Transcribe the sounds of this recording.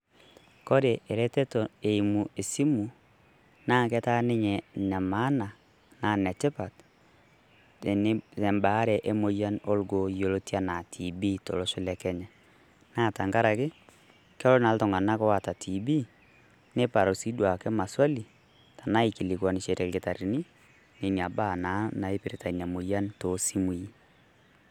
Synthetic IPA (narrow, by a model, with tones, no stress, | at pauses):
ko˦ɾe˨ʔe˨ɾɛ˦te˦to˨e˨i˨mu˨e˨si˦mu˨ | naː˦kɛ˦ta˦nɪ˦ɲɛ˨nɛ˨ma˦na˨ | naː˦˨nɛ˨tɪ˦pa˨t | e˨n˦ɛ˨mba˨˦ɾɛ˨ʔe˦mo˨˦ja˦no˦lɡo˨jo˨lo˦tja˦na˨tʰi˨bi˦to̰˨lo˦ʃʊ˦lɛ˨kɛ˦ɲɛ˨ | na˦˨ta˨ŋɡa˦ɾa˨kɪ˦ | kɛ˦lɔ˦na˨ltɔ˨ŋa˨na˦kɔ˦wa˨ta˨tʰi˨bi˦ | ne˦pa˨ɾo˨si˦dwa˨kɛ˦ma˨swa˦li˨ | ta˨na˦i˨ki˨li˨kwa˨nɪ˨ʃe˨ɾɛ˨lɡɪ˨ta˨ɾi˨ni˦ | ne˨ni˨a˨ba˦˨na˨˦na˨e˦pɪ˨ɾe˨ta˨i˨na˨mo˨ja˦nto˨si˦mu˨ji˦